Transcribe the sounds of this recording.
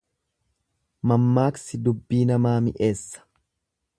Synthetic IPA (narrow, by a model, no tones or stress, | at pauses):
mɐmːaːksɪd̪ʊbːiːnɐmaːmɪʔe̞ːsːɐ̥